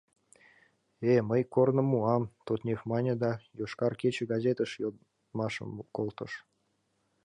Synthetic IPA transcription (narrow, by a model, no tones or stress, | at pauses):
eməjkornə̆mːuɑmt̪ot̪nʲexmɑnʲed̪ɑjoʃkɑrkʲet͡ɕɘ̆ɡɑzʲet̪əʃjo | mɑʃə̰kolˠt̪ɤ̰̆ʃ